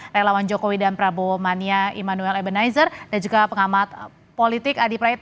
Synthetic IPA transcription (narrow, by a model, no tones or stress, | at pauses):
relawand͡ʒokowidanpɾabomaniaḭmanuɛlɛbənajzərd̥and͡ʒuɡapəŋamat̪ | polit̪ɪkadipɾait̪̚